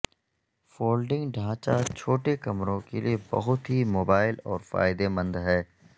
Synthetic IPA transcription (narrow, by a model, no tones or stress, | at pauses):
foːlɖɪ̃ŋɡɖʱãːt͡ʃat͡ʃʰoːʈekɐmɾõkelḭebɐ̰ɦʊt̪ɦimoːbaːɪlɔːɾfa̰ːɪd̪emɐ̃nd̪ɦɛː